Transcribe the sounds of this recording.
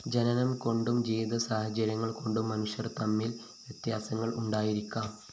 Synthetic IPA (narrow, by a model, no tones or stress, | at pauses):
d͡ʑɐnɐnɐmko̞ɳɖumd͡ʑejd̪ɐsaːhɐd͡ʑɐɾjɐŋːɐɭko̞ɳɖumːɐnuʂjɐrt̪ɐmːil | ʋjet̪jaːsɐŋːɐɭuɳɖaːjiɾikʲːaːm